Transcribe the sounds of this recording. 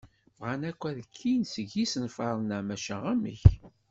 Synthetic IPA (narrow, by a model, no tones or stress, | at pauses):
vʁanækʷːæðəkʰːinsəʝisənfɑɾˤnæmæʃæʁæmə̰ç